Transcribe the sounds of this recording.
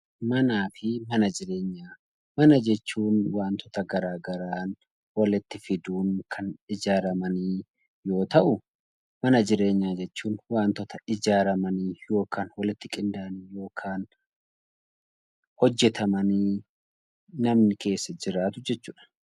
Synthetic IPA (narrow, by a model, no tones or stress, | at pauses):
mɐnaːfɪmɐnɐd͡ʒɪɾe̞ːɲːaː | mɐnɐd͡ʒɛt͡ʃːuːnwaːnt̪ɔt̪ɐɡɐɾaːɡɐɾaːn | wɐlɪt̪ːɪfɪd̪uːŋkʰɐnɪd͡ʒaːɾɐmɐniː | jo̞ːt̪ɐʔʊ | mɐnɐd͡ʒɪɾe̞ːɲːaːd͡ʒɛt͡ʃːuːnwaːnt̪ɔt̪ɐɪd͡ʒaːɾɐmɐniːjo̞ːkʰaːnwɐlɪt̪ːɪkʼɪnd̪aɐniːjo̞ːkʰaːn | hɔd͡ʒːɛt̪ɐmɐniː | nɐmnɪke̞ːsːɐd͡ʒɪɾaːt̪ʊd͡ʒɛt͡ʃːuːᶑɐ̥